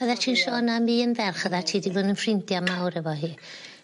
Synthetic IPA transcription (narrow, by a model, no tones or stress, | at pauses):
əðatʰiːnʃɔːnamiːənvɛrχəðatʰiːdiboːdənfrɪndjamawɾɛvɔɦiː